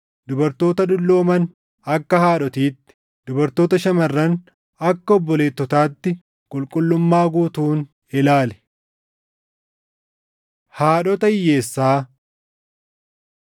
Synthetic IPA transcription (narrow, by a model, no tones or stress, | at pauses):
d̪ʊbɐɾt̪o̞ːt̪ɐᶑʊlːo̞ːmɐn | ɐkːɐhaːᶑɔt̪iːt̪ːɪ̥ | d̪ʊbɐɾt̪o̞ːt̪ɐʃɐmɐrːɐn | ɐkːɐɔbːɔle̞ːt̪ːɔt̪aːt̪ːɪ | kʼʊlkʼʊlːʊmːaːɡuːt̪uːn | ɪlaːlɛ̥ | haːᶑɔt̪ɐɪjːe̞ːsːaː